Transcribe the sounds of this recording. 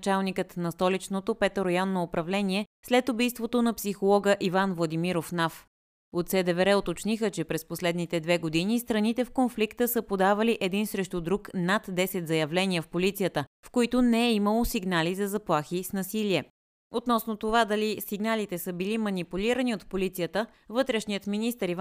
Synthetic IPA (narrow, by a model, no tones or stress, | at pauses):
t͡ʃalˠnikət̪nɐst̪ɔlit͡ʃnot̪opɛt̪oɾɐjɔnːoːpɾɐvlɛniɛslɛt̪obijst̪vot̪onɐpsixolˠɔɡəʔivanvlˠɐd̪imiɾofnaf | ot̪sɛd̪ɛvɛɾɛot̪ot͡ʃnixət͡ʃɛpɾɛsposlɛd̪nit̪ɛd̪vɛɡod̪inist̪ɾɐnit̪ɛfkonflikt̪əsəpod̪avɐliʔɛd̪insɾɛʃt̪ud̪ɾuknat̪d̪ɛsɛt̪zɐjɐvlɛniəfpolit̪sijət̪əfkoit̪onɛɛiməlˠosiɡnalizɐzɐplˠaxisnɐsiliɛ | ot̪nɔsnot̪ovad̪ɐlisiɡnalit̪ɛsɤbilimɐnipuliɾəniot̪polit̪sijət̪ə | vɤt̪ɾɛʃniət̪minist̪əɾiv